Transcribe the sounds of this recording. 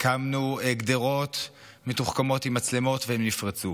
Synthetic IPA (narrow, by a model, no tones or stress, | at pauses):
kʰamnueɡd̪eʁo̞t̪ | metuχkamo̞thimat͡slemo̞t̪vehemnifʁat͡su